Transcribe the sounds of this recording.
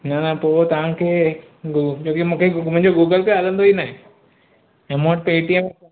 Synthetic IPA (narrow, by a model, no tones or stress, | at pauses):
nɐnɐpoːt̪ɐʋ̤ãkʰeː | ɡt͡ɕoːkimũːkʰemʊ̃ɪ̃ɲ̃d͡ʑoɡuːɡəlpiaːlə̃nd̪oinaːɦẽ | ẽmõɦʈ̚peːʈiəmẽ